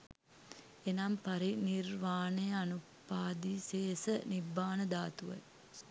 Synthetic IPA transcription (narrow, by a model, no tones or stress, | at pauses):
enampaɾinirʋaːnejəanupːaːd̪iːsesənibːaːnəd̪aːt̪uʋɐ̰l